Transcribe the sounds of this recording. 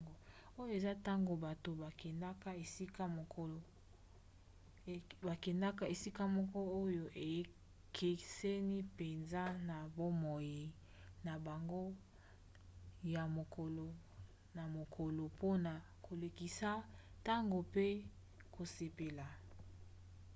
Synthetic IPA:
o˨ | o˦jo˦e˨za˦ta˦ŋɡo˨ba˨to˨ba˨kɛ˨nda˦ka˦e˨si˦ka˦mo˨ko˦˨ | ba˨kɛ˨nda˦ka˦e˨si˦ka˦mɔ˦kɔ˦o˦jo˨ʔe˨j | kʰe˨se˦ni˦pe˨nza˦na˨bo˦mɔ˨ji˨ | na˨ba˨ŋɡo˦ | ja˨mo˨ko˨lo˨ | na˨mo˨kʰo˨lo˨po˦na˨ | kʰo˨le˨ki˨sa˦ | ta˦ŋɡo˨pe˦ | ko˨se˨pe˨la˨

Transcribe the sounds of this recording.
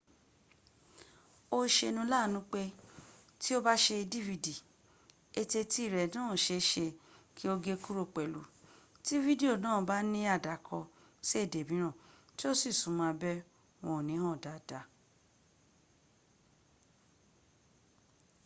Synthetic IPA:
o˦ʃe˧nũ˧˦la˦˨nũ˦k͡pe˧ | ti˦o˦ba˦ʃe˧di˦vi˧di˨ | e˧te˧ti˦˨ɾɛ˨nãː˦˨ʃe˧ʃe˧ki˦o˦˧ɡe˦ku˦ɾo˦˨k͡pɛ˨lṵ˨ | ti˦vi˦de˦o˦˨nãː˦˨˦ba˦nĩ˦a˦˨da˨˦˨kʰɔ˧ | si˦e˦˨de˨bĩ˨˦ɾ̃ã˦˨ | ti˦o˦si˦˨sũ˨˦mã˧bɛ˦ | wɔ̃˧˨nĩ˨˦hɔ̃˦˨da˨d̥a˨˦

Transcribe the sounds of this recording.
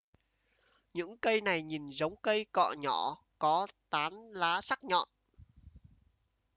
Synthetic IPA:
ɲɨ̰˧˥ŋkə˧jna˨˩jɲi˨˩nzə˨˦wŋ͡mkə˧jkɔ̰˧˨ɲɔ˧˩ | kɔ˨˦t̪aː˨˦nlaː˨˦sa˦˥k̚ɲɔ̰˧˨n

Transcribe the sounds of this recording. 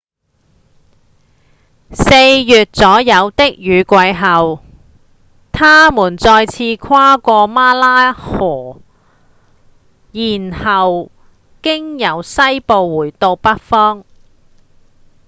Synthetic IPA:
se˧jjyː˨t̚t͡sɔː˨˥jɐ˨˧wt̪ɪ˥k̚jyː˨˧kʷɐ˧jɦɐ˨w | t̪ʰaː˥muː˨˩nt͡sɔː˧jt͡sʰiː˧kʰwaː˥kʷɔː˧maː˥laː˥hɔː˨˩ | jiː˨˩nhɐ˨w | kɪ˥ŋjɐ˨˥wsɐ˥jpo˨˧wːuː˨˩jt̪o˧wpɐ˥t̚fɔː˥ŋ

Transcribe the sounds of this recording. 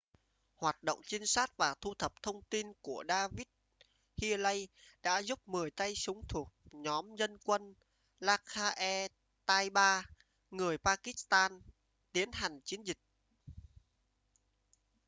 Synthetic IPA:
hwaː˨˩t̚ɗo̰˧˨wŋ͡mt͡ɕi˧ŋsaː˦˥t̚vaː˨˩t̪ʰu˧t̪ʰə˨˩p̚t̪ʰə˧wŋ͡mt̪i˧nku˧˩əɗaː˧vi˦˥t̚ | hi˧lə˧jɗa̰ː˧˥zu˦˥p̚mɨ˨˩əjt̪a˧jsʊ˨˦ŋ͡mt̪ʰu˨˩ək̚ɲɔ˨˦mzə˧nkwə˧n | laː˧kaː˧ʔɛ˧ | t̪aː˧jɓaː˧ | ŋɨ˨˩əjpaː˧ki˦˥st̪aː˧n | t̪i˨˦ənɦa˨˩jŋ̟t͡ɕi˨˦ənzï˨˩k̟̚

